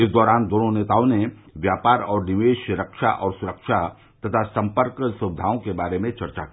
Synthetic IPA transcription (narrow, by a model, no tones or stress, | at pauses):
ɪsd̪ɔːɾaːnd̪oːnoneːt̪aːõneʋjaːpaːɾɔːɾnɪʋeːʃɾəkʃa̰ʔɔːɾsʊɾəkʃa | t̪ɐt̪ʰasɐ̃mpəɾksʊʋɪd̪ʱaːõkebaːɾemẽt͡ʃɐɾt͡ʃa̰ki